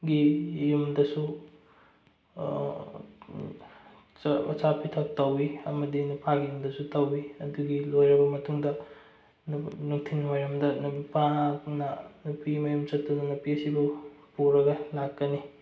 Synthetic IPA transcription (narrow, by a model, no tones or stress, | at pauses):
ɡijumdɐsu | ɐ̰t͡ʃapʰitʰɐp̚tɐwiɐmɐdinupʰaɡijumdɐsutɐwiɐduɡilojɾɐbɐmɐtuŋdɐ | nnuk̚tʰinwajɾɐmdɐnupanɐnupimɐjumt͡ʃɐtːunɐnupiɐsibupuɾɐɡɐlakːɐni